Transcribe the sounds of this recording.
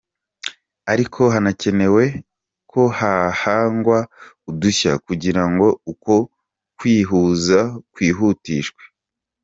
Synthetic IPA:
aɾikʰo̞ɦanace̞ne̞we̞ | kʰo̞hahaːŋɡwa | uduça̰kuɟiɾaŋɡo̞uko̞ | kwiːɦuːzakwiːɦuːtiːʃkwe̥

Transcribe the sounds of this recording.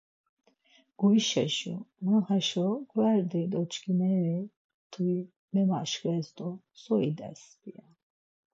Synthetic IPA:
ɡ̥uiʃɛʃṵmaχɛʃɔɡvɛɾd̪ɛd̪ɔt͡ʃʰʼkʰʼinɛɾɛ | t̪ʰui | mɛmaʃkɛzd̪ɔ | sɔid̪ɛ̰sbija

